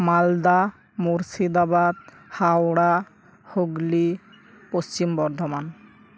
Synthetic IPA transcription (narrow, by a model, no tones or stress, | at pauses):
mald̪a | muɾsid̪abad̪ | hawɽa | hoɡli | post͡ɕimbɔɾd̪ʱɔman